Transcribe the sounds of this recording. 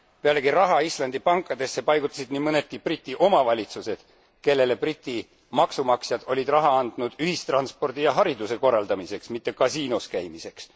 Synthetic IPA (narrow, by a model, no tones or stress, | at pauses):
pe̞ɑle̞ɡirɑɦɑislɑnd̪̥ipɑŋkːˑɑd̪e̞sːe̞pɑjɡut̪ːˑɑ̥sid̪nimɤne̞t̪̚kiprit̪ʲːˑiʔo̞mɑvɑlʲit̪suse̞d̪̥ | ke̞lːe̞le̞prit̪ʲːˑi | mɑksumɑksjɑd̪̥o̞lʲid̪̥rɑɦɑɑnd̪̥nud̪̥yhist̪rɑnspo̞rd̪̥ijɑɦɑɾid̪use̞ko̞rːɑld̪ɑmise̞ksmit̪ːe̞kɑsiːnoskæjmise̞ks